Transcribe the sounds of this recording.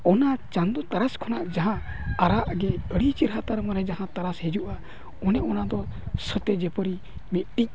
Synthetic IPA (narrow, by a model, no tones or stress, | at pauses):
ɔnat͡ʃand̪ɔt̪aɾaskʰɔnaʔd͡ʒaɦã | aɾaʔɡɛəɽit͡ʃiɾɦat̪aɾmaɾɛd͡ʒaɦãt̪aɾashɛd͡ʒuʔa | ɔnɛʔɔnad̪ɔsət̪ɛd͡ʒɛpəɾi | mit̪̚ʈic̚